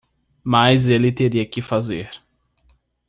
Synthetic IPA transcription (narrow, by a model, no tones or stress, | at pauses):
majzelɪt̪eɾiɐkɪfazeɾ